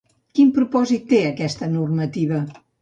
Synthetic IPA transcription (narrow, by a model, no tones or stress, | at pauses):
kimpɾupɔzit̪ːeəkɛst̪ənurmət̪iβ̞ə